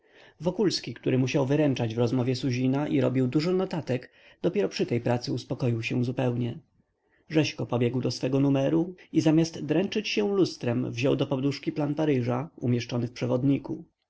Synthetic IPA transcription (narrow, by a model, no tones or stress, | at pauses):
vɔkulskʲikt̪uɾɘmuɕawvɘɾɛnt͡ʂad͡ʑvɾɔzmɔvʲjɛsuʑinaʔiɾɔ̰bʲiwd̪uʐɔnɔt̪at̪ɛɡ | d̪̥ɔpʲjɛɾɔpʂɘt̪ɛjpɾat̪sɘuspɔkɔjiwɕɛzupɛwɲɛ | ʐɛɕkɔpɔbʲjɛɡwd̪ɔsfɛɡɔnumɛɾuizamʲast̪d̪ɾɛnt͡ʂɘt͡ɕɕɛlust̪ɾɛmvʑɔwd̪ɔpɔd̪uʂkʲiplanpaɾɘʐaumʲjɛʂt͡ʂɔnɘfpʂɛvɔd̪ɲiku